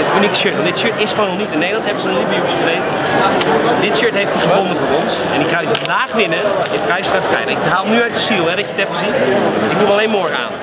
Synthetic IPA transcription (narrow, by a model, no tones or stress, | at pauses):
ətynikə̥ʃøɹtʋɑndɪtʃøtɪsχəʋoːnɔlˠnitɪnːejdlˠɑ̃ntɦɛbəzənlibjuəsmənej | dɪtʃøɹtɦejftiχəvɔnəvərɔnsɛ̰nɪkχaɪfɔndaːχʋɪnəɪkɛjstrəfkɛ̰jnəɪkɦaːlˠnyœɥt̚dəsiːlˠɦɛdɑcəətɛfəzitɪɡ̚dumalejnmoːra̰ːn